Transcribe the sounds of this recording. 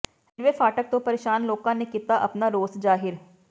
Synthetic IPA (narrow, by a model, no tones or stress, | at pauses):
ɦɪɾʋeːpʰaːʈək̚t̪õːpəɾeːʃaːnloːkãːneːkiːt̪aːʔəpnaːɾoːsd͡ʒaːɦɪɾ